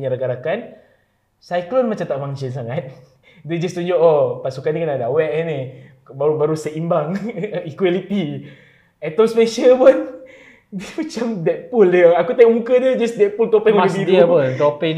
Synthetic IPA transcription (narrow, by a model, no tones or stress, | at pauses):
ɲaɾaɡaɾakan | sajklɔnmat͡ʃamt̪aʔmaŋt͡ʃəns̬aŋat̪̚ | dɛd͡ʒast̪uɲd͡ʒoʔopasukanikənadawɛʔɛne | baɾubaɾusəʔimbaŋikwalit̪i | ɛt̪ɔmsmɛʃəpun | dimat͡ʃamdɛt̪̚puləakut̪ajoʔmukədəd͡ʒasdɛt̪̚pult̪opikəbiɾipɔnt̪ope